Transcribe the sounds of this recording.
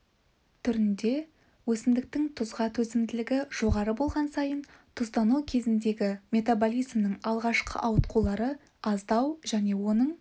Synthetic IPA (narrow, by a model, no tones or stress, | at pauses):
t̪ʰʏɾɪnd̪e̞ | wɵsɪmd̪ɪk̚t̪ɪŋt̪ʰʊzʁɑt̪ʰɵsɪmd̪ɪlɪɡʲɪʒ̥o̞ʁɑɾəbo̞lˠʁɑnsɑjənt̪ʰʊzt̪ɑnukʲʰe̞zɪnd̪e̞ɡʲɪmʲe̞t̪abolʲijzmnəŋɴɑlˠʁɑʃqə̰ʔɑwət̪qʰulˠɑɾə | ɑzd̪ɑwʒæne̞wo̞nəɴ